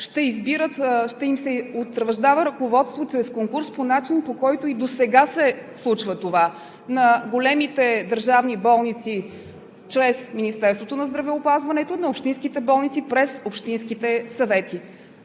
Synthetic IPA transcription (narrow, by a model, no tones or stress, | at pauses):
ʃt̪ɛizbiɾət̪ʃt̪ɛimsɛot̪ɾvɐʒd̪avəɾɐkovɔt̪st̪vot͡ʃɾɛskoŋkuɾsponat͡ʃinpokɔjt̪oid̪osɛɡasɛslˠut͡ʃvət̪ova | nɐɡolɛmit̪ɛd̪əɾʒavnibɔlˠnit̪si | t͡ʃɾɛsminist̪ɛɾst̪vot̪onɐzd̪ɾɐvɛopazvɐnɛt̪onɐopʃt̪inskit̪ɛbɔlˠnit̪sipɾɛsopʃt̪inskit̪ɛsɐvɛt̪i